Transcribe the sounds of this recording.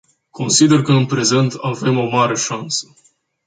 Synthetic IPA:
kʰo̞nsid̪e̞rkəɨnpɾe̞ze̞nt̪ave̞mo̞maɾe̞ʃansə̥

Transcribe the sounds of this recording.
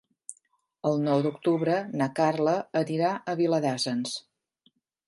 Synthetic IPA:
əlˠnɔwd̪ukt̪uβɾənakarləəniɾaʔəβiləðazəns

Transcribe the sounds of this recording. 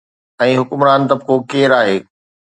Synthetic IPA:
ɛ̃ːɦʊkʊmɾaːnt̪ɐb̚kokeːɾaːɦeː

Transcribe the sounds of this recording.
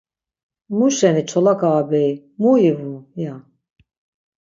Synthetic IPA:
muʃɛnit͡ʃʰɔlakʰaːbɛj | muivuja

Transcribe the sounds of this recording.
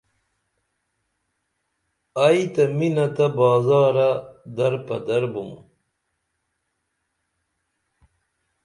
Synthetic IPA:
ajit̪ɐminɐt̪ɐbaːzaːɾɐd̪ɐɾpɐd̪ɐɾbum

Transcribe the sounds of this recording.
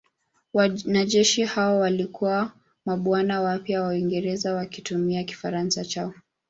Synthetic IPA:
wanaʄɛʃihaɔwalikuwa | maɓwanawapjawawiŋɡɛɾɛzawakitumiaki̥faɾansat͡ʃaɔ

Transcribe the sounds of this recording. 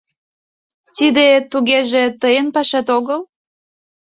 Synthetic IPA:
t̪id̪et̪uɣeʒet̪əjənpɑʃɑt̪oɣəl

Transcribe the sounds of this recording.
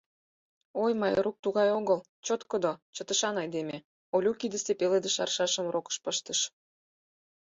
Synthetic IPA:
ojmɑjɾuk̚t̪uɣɑjoɣəl | t͡ɕot̪kod̪ot͡ɕət̪ə̆ʃɑnɑjd̪eme | olʲukid̪ə̆sepeled̪eʃɑrʃɑʃə̆mrokə̥ʃpəʃt̪əʃ

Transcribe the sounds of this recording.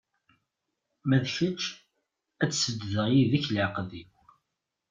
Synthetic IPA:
mæðçət͡ʃː | æt͡sːsəd̪ðəʁjiðiçlʕqði

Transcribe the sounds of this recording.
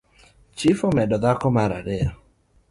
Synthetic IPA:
t͡ʃifomɛdɔd̪akɔmaɾaɾɪa

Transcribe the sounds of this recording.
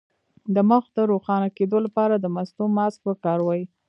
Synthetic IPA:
d̪əmʊxd̪əɾoxɑnaked̪olapɑɾad̪əmast̪omɑsk̚pəkɑɾwɑji

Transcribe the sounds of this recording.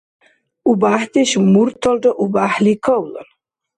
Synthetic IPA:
ubaħd̪eʃmuɾt̪ʰɔlʈɔʔubaħlikʰɔwlɔ̰n

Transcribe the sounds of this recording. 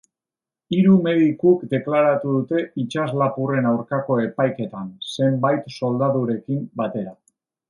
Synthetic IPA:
iɾume̞ðikukd̪e̞klaɾat̪uðut̪e̞it͡ʃazlapure̞nawɾkako̞e̞pajke̞t̪anse̞mbajt̪so̞ld̪aðuɾe̞kimbat̪e̞ɾa

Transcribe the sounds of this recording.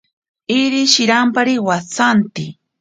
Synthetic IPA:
ɪɾɪʃɪɾampaɾiwat͡sant̪ɪ

